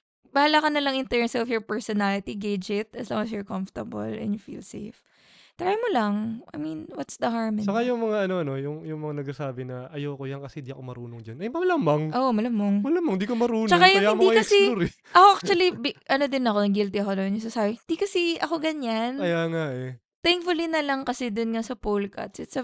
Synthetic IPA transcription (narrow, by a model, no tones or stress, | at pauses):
bɐhlakɐnɐlɐŋɪnt̪ɛɹnsɛɔfjɔɹpɛɹsɔnalɪt̪iɡejd͡ʒɪt̪̚ʔɐsloŋɐs̬jɔɹkɐmft̪ɐbɐ̰lɛ̰njʊfḭlsḛjf | t̪ɐɾamolɐŋʔɐ̰jminwɐt̪sd̪ɐɦaɹmt͡ʃɐkajʊŋmɐŋaʔɐnoɐno̞jʊŋjʊŋmɐŋanɐɡ̚sasaːbɪnɐʔɐjokojankɐsɛhɪnd̪iɐkomɐɾuːnoŋd͡ʒɐnɐjmɐlamɐŋʔoʔmɐlamoŋmɐlamɐŋɪnd̪iːkomɐɾuːnt͡ʃɐkajʊŋjaɪnmoiɐjkɐsɛuɾɪ | ʔɐkoʔak̚t͡ʃwɐlibʔɐno̞d̪ɪnɐkonɐɡɪlt̪ɪɐkod̪onjʊŋs̬asaːbɪhɪnd̪ikɐsɛʔɐko̞ɡɐɲanɐjaːŋaʔɛ | t̪ɛŋkfʊlinɐlɐŋkɐsɛd̪onŋasɐpolkɐ̰t̪sɪt̪sɐ